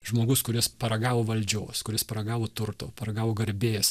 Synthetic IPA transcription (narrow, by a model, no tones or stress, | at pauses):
ʒmoːɡʊskʊɾʲɪspɐɾɐɡɑːʋoːʋɐlʲd͡ʒʲoːskʊɾʲɪspɐɾɐɡɑːʋoːt̪ʊɾt̪oːpɐɾɐɡɑːʋoːɡɐɾʲbʲeːs